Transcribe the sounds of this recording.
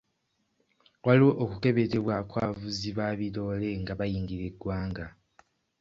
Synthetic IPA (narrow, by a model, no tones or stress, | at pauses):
waliwo̞ʔːkuke̞βe̞te̞βwakwaːvuziβaːβilo̞ːle̞ŋɡaβajiːŋɡiɾeɡwaːŋɡa